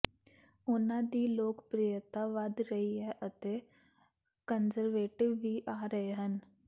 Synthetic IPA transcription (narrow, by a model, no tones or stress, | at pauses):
ʊnãːd̪iːloːkpɾijət̪aːʋəd̪ɾəɦiːɦɛːʔət̪eː | kənzəɾʋeːʈɪʋːiːʔaːɾəɦeɦən